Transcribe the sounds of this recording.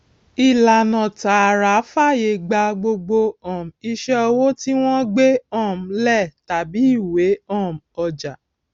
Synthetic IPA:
i˨la˨nɔ̃˨ta˨˦a˨ɾa˨˦fa˦˨je˧˨ɡ͡ba˧ɡ͡bo˧ɡ͡bo˧ɔ̃˨m̩˨i˧ʃɛ˦ɔ˧wo˦ti˦w̃ɔ̃˦ɡ͡be˦ɔ̃˦˨m̩˨˧lɛ˦˨ta˨bi˨˦i˦˨we˨˦ɔ̃˦˨m̩˨ɔ˧d͡ʒa˨

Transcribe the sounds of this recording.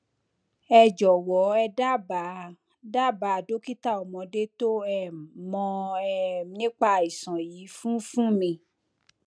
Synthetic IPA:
ɛ˧d͡ʒɔ˨wɔ˨˦ɛ˧da˦ba˨˦ | da˦˨ba˨do˨˦ki˦ta˦˨ɔ˨mɔ̃˨˧de˦to˦ɛ˦˨mɔ̃˧ɛ˦nĩ˦k͡pa˧i˨sɔ̃˨ji˨˦fũ˦fũ˦mĩ˧˨

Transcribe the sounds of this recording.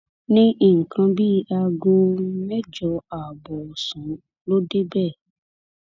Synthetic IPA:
nĩ˦ʔi˦˨ŋ̩˨kʰã˧bi˦a˧ɡo˧mɛ˦d͡ʒɔ˨˦a˨bɔ˨sũ˨˦ | lo˦de˦bɛ˦˨

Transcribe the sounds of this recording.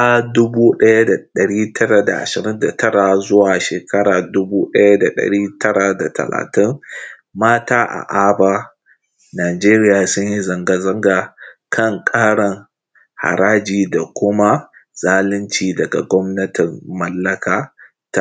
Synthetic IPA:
a˦dʊ˦buː˦ɗɐ˦ja˦da˨ɗɐ˨ɽiː˦tʰɐ˦ɽa˨da̰˨ʔa̰˨ʃɪ˨ɾɪ˦nda˨tʰɐ˦ɽa˨zʊ˦waː˨ʃeː˨kʰɐ˦ɽaː˨dʊ˦buː˦ɗɐ˦ja˦da˨ɗɐ̰˨ɽiː˦tʰɐ˦ɽa˨da˨tɐ̰˨la̰ː˨tɪ˦ŋ | maː˦taː˦ʔa̰˨ʔaː˦baː˦ | naː˨d͡ʒeː˦ɾɪ˦jaː˨sʊ˦ɲji˦zɐ˨ŋɡa˨zɐ˦ŋɡaː˨kʰɐ˦˨ŋkʼaː˦ɽɐ˨ŋ | ha̰˨ɽaː˦d͡ʒiː˨da˨kʷʊ˦ma˦ | z̥aː˦lɪ˦nt͡ʃiː˨dɐ˨ɡa˨ɡʷɔ˦mnɐ˦tɪ˨mːɐ˦lːɐ˦kaː˨ | ta˦

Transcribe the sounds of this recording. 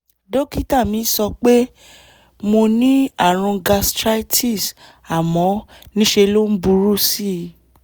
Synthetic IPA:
do˦ki˦ta˦˨mĩ˨˦sɔ˧k͡pe˦ | mo˧nĩ˦a˦˨ɾ̃ũ˧ɡa˧stɾa˦tʰi˦˨s | a˨mɔ̃˨˦ | nĩ˦ʃe˧lo˦n̩˦bu˧˦ɾu˦˨si˦˧

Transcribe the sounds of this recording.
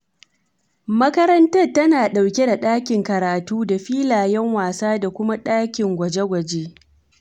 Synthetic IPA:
mɐ˦kɐ˦ɾɐ˦ntɐ˦rtɐ˦naː˨ɗa˨wkʲe˦da˨ɗaː˦kʲɪ˨ŋkɐ˨ɾaː˨tuː˦da˨ɸiː˦laː˨jɛ˦ŋwaː˨saː˦da˨kʷʊ˦ma˦ɗaː˦kʲɪ˨ŋɡʷɐ˨d͡ʒe˦ɡʷɐ˨d͡ʒeː˦

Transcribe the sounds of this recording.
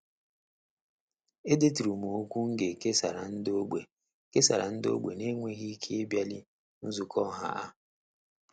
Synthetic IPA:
e˦de˦ti˨ɾu˨mo˨o˦kʷu˦ŋ̩˦ɡe˨ke˦sa˨ɾa˨n̩˦do˦ɡ͡bḛ˨ | ke˦sa˨ɾa̰˨n̩˦do̰˦ɡ͡be˨ne˦ŋʷe˦ɣi˦kʰe˦e˦bja˦li˦ | n̩˦zu˨kʰɔ˦ɦa̰˦ʔa˦

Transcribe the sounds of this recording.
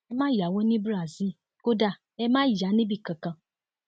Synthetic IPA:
ɛ˦mãː˦ja˨wo˦nĩ˦bɾa˨zi˦ | ko˦da˦˨ | ɛ˦mãː˦˨ja˨˦nĩ˦bi˦˨kã˨kã˨

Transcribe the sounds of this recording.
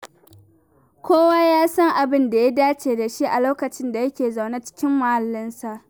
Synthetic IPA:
kʷoː˦waː˦jaː˦sɐ˦ŋʔa˨bɪ˦nda˨ja˦daː˦t͡ʃeː˨da˨ʃi˦ʔa˨loː˦kɐ˨t͡ʃɪ˦nda˨jɐ˦kʲeː˨za˨wnaː˦t͡ʃɪ̥˦kʲɪ˦mːɐ˨ha˨lːɪ˦nsa˨ʔ

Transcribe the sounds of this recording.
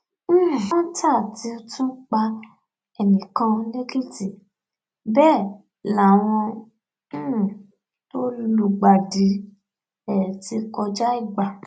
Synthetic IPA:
ta˦˨ti˧˦o˧tũ˦k͡pa˧ | ɛ˨nĩ˨kã˧le˦ɡi˦˨ti˨ | bɛː˦˨ | la˨w̃ɔ̃˧˦˨ | to˦llu˧ɡ͡ba˨di˨˦ | ɛ˦˨ti˧˦kɔ˧d͡ʒa˦i˦˨ɡ͡ba˨

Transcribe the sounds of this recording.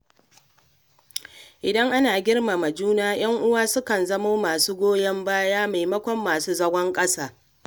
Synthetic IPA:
ʔɪ˨dɐ˦ŋʔa˦naː˨ɡʲɪ˦rma˨mɐ˨d͡ʒuː˦naː˦j̰ɐ˦ŋʔʊ˦waː˦sʊ˦kɐ˨nzɐ˦moː˦maː˨suː˦ɡʷoː˦jɐ˦mbaː˦jaː˦ma˨jmɐ˦kʷɔ˦mːaː˨suː˦zɐ˦ɡʷɔ˦ŋkʼɐ˦saː˦

